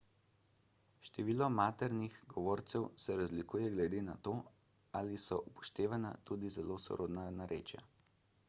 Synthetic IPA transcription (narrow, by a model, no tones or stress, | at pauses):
ʃt̪ɛʋiːlɔmaːt̪ɛɾnixɡɔʋoːɾt̪sɛwsɛɾazlikuːjɛɡlɛd̪eːnat̪oː | aːlisɔʔupɔ̥ʃt̪eːʋana̰t̪uːd̪izɛlosɔ̰ɾʔoːd̪nanaɾʔḛːt͡ʃja̰